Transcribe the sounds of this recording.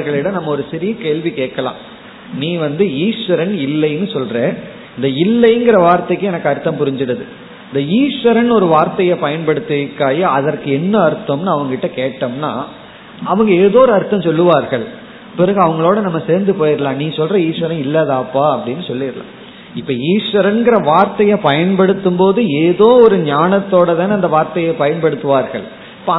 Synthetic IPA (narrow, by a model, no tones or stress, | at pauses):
ɾɣɐɭɪɽɐnɐmːɐɔɾɯsɪɾɪjɐkeːɭʋikeːʈ̚kɐlã̰ː | nĩːʋɐnd̪ɯiːʂʋɐɾɐnɪlːɐɪnːɯsɔlreː | ɪnd̪ɐɪlːɐɪŋɡɪɾɐʋaːɾt̪ɐɪkːɯɛnɐkːɯɐɾɯt̪ːɐ̃mpʊɾɪɲd͡ʒɪɽɐðɯ | ɪnd̪ɐiːʂʋɐɾɐnɔɾɯʋaːɾt̪ɐjɐpɐjɐnpɐɽɯt̪ːɯkːaːjɐɐðɐɾkɯɛnːɐɐɾɯt̪ːɐmnɯɐʋɐŋɡɐɪʈːɐkeːʈːɐmna̰ː | ɐʋɐŋɡɐeːðoːɾɯɐɾɯt̪ːɐ̃msɔlːɯʋaːɾɣɐɭ | pɪɾɐɣɯɐʋɐŋɡɐɭoːɽɐnɐmːɐseːɾnd̪ɯpoːjɪɾɯlãːnĩːsɔlrɐiːʂʋɐɾɐ̃ɪlːɐðaːpːaːɐpːɐɽɪnːɯsɔlːɪɾlã̰ː | ɪpːoːiːʂʋɐɾɐnɡɪɾɐʋaːɾt̪ɐjɐpɐjɐnpɐɽɯt̪ːɯmpoːðɯeːðoːɔɾɯɲaːnɐt̪ːoːɽɐt̪aːnɐnd̪ɐʋaːɾt̪ɐjɐpɐjɐnpɐɽɯt̪ːɯʋaːɾɣɐɭ | ɪpːo